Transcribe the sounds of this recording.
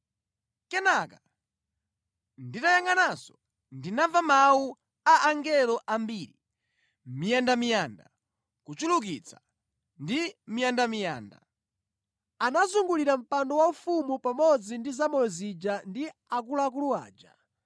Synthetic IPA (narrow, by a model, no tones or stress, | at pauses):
kɛnaka | nditajaŋɡanasɔ | ndinavamau | aʔaŋɡɛlɔʔambiɾi | mijandamijanda̰ | kut͡ʃuluk̬it͡sʰḁ | ndimijandamija̰ːnda̰ | anazuŋɡuliɾam̩pandɔwaufumupamɔd͡zindizamɔɛzid͡ʒandiakulak̬uluwa̰ːd͡ʒa